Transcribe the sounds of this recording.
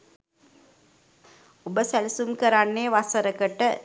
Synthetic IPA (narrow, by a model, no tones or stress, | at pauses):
obəsælisumkəɾanːeːʋasəɾəkəʈə